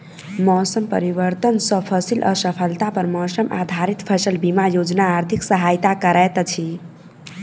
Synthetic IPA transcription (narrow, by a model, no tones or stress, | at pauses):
mɔːsəmpəɾiʋəɾt̪ənsəpʰəsilʔʌ̰səpʰəlt̪apəɾmɔsəmʔa̰d̪ʱaɾit̪pʰəsəlbimajod͡ʒnaːɾt̪ʰiksəɦajt̪akəɾɛt̪t͡ʃʰi